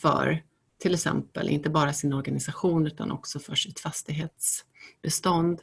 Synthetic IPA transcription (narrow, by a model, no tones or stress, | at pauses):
fœ̰ɾ | t̪ʰɪlɛksɛ̰mpə̰lʔɪ̰nt̪əbɑːɾasɪnɔɾɡanɪsaɧuːnʉ̟ːt̪a̰nʔɔ̰ksɔfœʂɪt̪fast̪ɪɡɦeːt̪sbɛst̪ɔnd̪